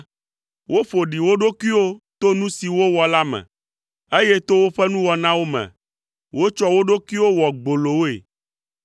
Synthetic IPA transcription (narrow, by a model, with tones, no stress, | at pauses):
wo˦ɸo˨ɖi˨wo˦ɖo˦ki˦wo˦t̪o˦nũ˦si˨wo˦wɔ˨la˦mɛ̰̃˨ | e˦je˦t̪o˦wo˦ɸɛ˦nũ˦wɔ˨nã˦wo˦mɛ̰̃˨ | wo˦t͡ʃɔ˦wo˦ɖo˦kwi˦wo˦wɔ˨ɡ͡bo˨lo˨wo˦ḛ˨